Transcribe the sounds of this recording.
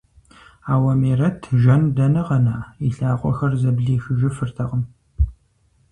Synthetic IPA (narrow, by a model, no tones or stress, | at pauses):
aːwɐmeːrɐtʰʒɐndɐnɨʁɐnaːiɬaːqʷʼɔ̰xɐrzɐbɮiːʃɪʒɪfɨrtʰɐʁəm